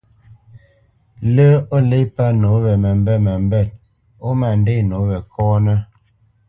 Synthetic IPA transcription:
lə˦o˦le˦pa˦no˨˦bɛ˨mɛ˨m˦bɛ˦˨ma˨m˦bɛ˦˨t̚ | o˦ma˨n˦de˦˨no˨˦bɛ˨kʰɔː˦nə˦

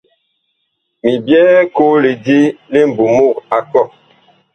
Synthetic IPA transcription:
mi˨bjɛː˦ko˦li˨di˦le˦m̩˨bu˨mo˦˨ka˨kɔ˦˨

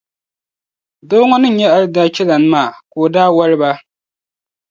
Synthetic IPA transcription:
do˦ŋɔ˦nɨ˦˨ɲɛ˦a˦lɨ˦da˦t͡ʃɛ˦la˨nɨ˦maː˦˨ko˨daː˦wa˦lɨ˦ba˦

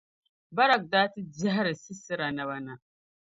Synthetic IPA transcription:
ba˦ɾa˨k̚daː˦ti˦d͡ʒa˦ɦa˦ɾɨ˨si˦sɨ˦ɾa˨na˨βa˦na˨

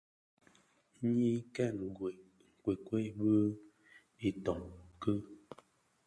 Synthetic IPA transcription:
ɲi˦kɛ˦˨n˨ɡwe˨ | ŋ˨kwe˨kwe˦bə˦ | i˨tɔ˨ŋkə˦

